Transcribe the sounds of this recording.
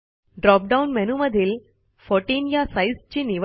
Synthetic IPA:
ɖɾɔp̚ɖaunmɛnuməd̪ʱiːl | fɔʈiːnjasaist͡ɕiːniʋ

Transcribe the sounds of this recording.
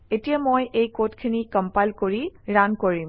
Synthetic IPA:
etijamojʔejkotkʰinikɔmpajlkoɹiɹankoɹim

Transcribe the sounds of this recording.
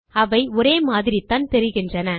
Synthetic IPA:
ɐʋɐɪɔɾeːmaːðɪɾit̪ːaːnt̪ɛɾɪɣɪndrɐnɐ

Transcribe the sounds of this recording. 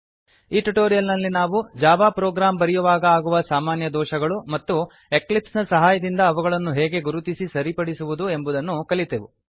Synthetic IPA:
iːʈuʈoːɾijɐlnɐlːinaːʋud͡ʒaːʋaːpɾɔːɡɾaːmbɐɾɛjuʋaːɡɐaːɡuʋɐsaːmaːnjɐd̪ɔːʃɐɡɐɭumɐt̪ːu | e̞klipsnɐsɐɦaːjɐd̪ind̪ɐːʋɐɡɐɭɐnːuɦeːɡe̞ɡuɾut̪isisɐɾipɐɽisuʋud̪ue̞mbud̪ɐnːukɐlit̪eʋu

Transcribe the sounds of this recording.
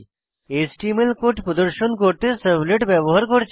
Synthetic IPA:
esʈimelkoʈpɾɔd̪əɾʃonkoɾt̪esəbleʈbɛboɦaɾkɔɾt͡ɕʰ

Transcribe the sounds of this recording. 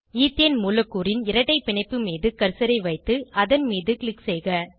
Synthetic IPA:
iːt̪enmuːlɐkːuːɾɪnɪɾɐʈːɐɪpɪɳɐɪpːɯmiːðɯkɐɾsɐɾɐɪʋɐɪt̪ːɯʔɐðɐnmiːðɯkɭɪksɛːɣɐ

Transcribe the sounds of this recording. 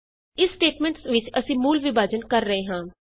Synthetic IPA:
ɪsːʈeːʈmɛ̃ːɳʈsʋɪt͡ʃəsĩːmuːlʋɪbaːd͡ʒənkəɾːəɦeːɦãː

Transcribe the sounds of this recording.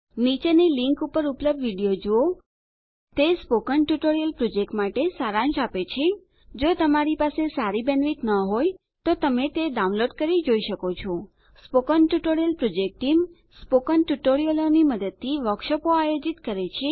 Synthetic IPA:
nit͡ʃeniliŋkupəɾupləb̚d̪ʋiɽijod͡ʒoo | t̪espokənʈjuʈoɾijəlpɾod͡ʒek̚ʈmaʈesaɾãnʃapet͡ʃʰe | d͡ʒot̪əmaɾipasesaɾibɛnʋit̪nəɦoj | t̪ot̪əmet̪eɖaũnloɖkəɾid͡ʒoiʃəkot͡ʃʰo | spokənʈjuʈoɾijəlpɾod͡ʒek̚ʈʈim | spokənʈuʈoɾijəloniməd̪əd̪̚t̪ʰːiʋəkʃəpoajod͡ʒit̪kəɾet͡ʃʰe

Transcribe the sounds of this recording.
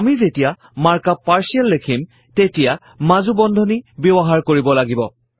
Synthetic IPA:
amizetija | maɹkapaɹsialːekʰim | tetija | mazubɔndʱɔnibɔbɔɦaɹkoɹibɔlaɡibɔ

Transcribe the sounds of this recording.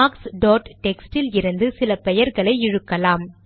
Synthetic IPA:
aːksɖoːʈʈɛksʈɪlɪɾɯnd̪ɯsɪlɐpɛjɐɾɣɐɭɐɪɪɻɯkːɐlaːm

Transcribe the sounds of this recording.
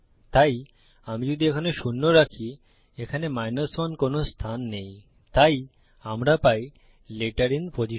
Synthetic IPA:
t̪aj | amid͡ʑod̪ʱiekʰaneʃunːoɾakʰi | ekʰanemajnasmankonost̪ʰanːej | t̪aj | amɾapaj | leʈaɾinpod͡ʑi

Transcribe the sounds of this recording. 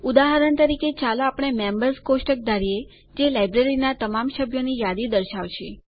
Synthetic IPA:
ud̪aɦəɾənt̪əɾiket͡ʃaloapɽ̃emembəɾskoʃʈək̚d̪aɾie | d͡ʒelajbɾeɾinat̪əmamʃəbʱjonijad̪id̪əɾʃaʋt͡ʃʰe

